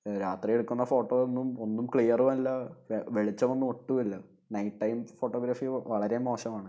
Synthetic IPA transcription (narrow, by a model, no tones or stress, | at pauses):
ɾaːt̪rie̞ɽukːunːɐfo̞ːʈːoonːumo̞nːumkɭijɐrumɐlːɐʋeɭit͡ɕːɐmonːumo̞ʈːuɐlːɐ | nɐjʈʈːɐjmfoʈːoːɡɾɐfiʋɐɭɐɾe̞mo̞ːɕɐmaːɳɨ